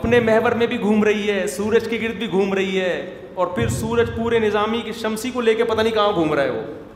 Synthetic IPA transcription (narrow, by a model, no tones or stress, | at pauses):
ɐpnemɛɦʋəɾmẽbʱiɡʱuːmɾɐɦiɦɛːsuːɾəd͡ʒkiɡɪɾt̪̚bʱiɡʱuːmɾɐɦiɦɛː | ɔːɾpʰɪɾsuːɾəd͡ʒpuːɾenɪzaːmikeʃɐmsikoleːkepɐt̪aːnikɐɦãɡʱuːmɾɐɦeɦo̰ː